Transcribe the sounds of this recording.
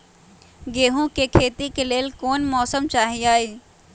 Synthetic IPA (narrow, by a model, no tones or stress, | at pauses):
ɡeːɦũkekʰeːt̪ikeleːlkoːnmɔːsəmt͡ʃaːɦiaːiː